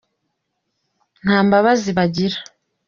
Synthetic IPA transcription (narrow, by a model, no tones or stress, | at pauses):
n̥aːmbaβaziβaɟiɾḁ